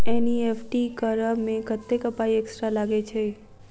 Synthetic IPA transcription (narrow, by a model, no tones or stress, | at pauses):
eniefʈikəɾəmeɡʱət̪ːekəpaieksʈɾalaɡet͡ʃʰe